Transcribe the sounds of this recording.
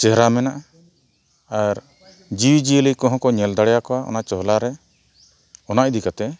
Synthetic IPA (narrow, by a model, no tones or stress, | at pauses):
t͡ʃɛɦɾamɛnaʔa | aɾ | d͡ʒiwd͡ʒiəlikɔ̃ɦɔ̃kɔɲɛld̪aɽɛjakɔwaʔɔ̰naʔt͡ʃɔɦlaɾɛ | ɔnaʔd̪ikat̪ɛ